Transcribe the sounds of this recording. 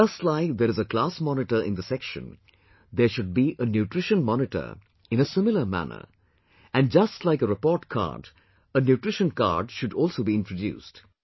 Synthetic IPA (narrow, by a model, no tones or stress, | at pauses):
d͡ʒʌstlaɪk̚d̪əɾɨzəklaːsmɔnɪʈəɾʔɪ̰̃nd̪əsɛkʃə̰̃n | d̪əʃʊɖ̚biʔənjuʈɾɪʃə̃nmɔnɪʈə̰ɾ | ɪ̃nəsɪ̃mɪləmæ̰nə̰ | æ̃nd͡ʒʌstlaɪkəɾɪpɔːʈkʰa̰ːɾd | ənjuʈɾɪʃə̃nka̰ːɖʃʊɖɔlˠsoːbiɪ̃ntɹodjṵːst